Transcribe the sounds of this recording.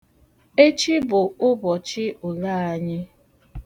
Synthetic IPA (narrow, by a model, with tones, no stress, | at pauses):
e˦t͡ʃi˦bʊ˨ʊ˦bɔ˨t͡ʃɪ˦ʔʊ˨la˦˨a˨ɲɪ˦